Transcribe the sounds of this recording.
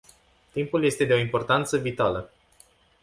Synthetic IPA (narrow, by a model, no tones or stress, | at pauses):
t̪impulje̞st̪e̞d̪e̞o̞impo̞rt̪ant̪səvit̪alə